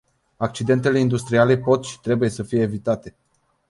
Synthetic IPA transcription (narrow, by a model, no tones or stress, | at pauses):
ak̚t͡ʃid̪e̞nt̪e̞le̞ind̪ust̪ɾiale̞po̞t̪ʃi̥t̪ɾe̞buje̞səfije̞ːvit̪at̪e̞